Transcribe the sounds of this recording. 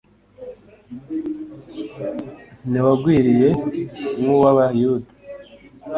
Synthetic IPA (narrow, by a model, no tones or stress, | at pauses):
niwaɡwiːɾije̞muwaβajudḁ